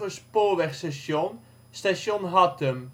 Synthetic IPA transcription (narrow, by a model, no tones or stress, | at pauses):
əspoːɹʋɛχstɛʃɔn | staʃɔnɦɑtəm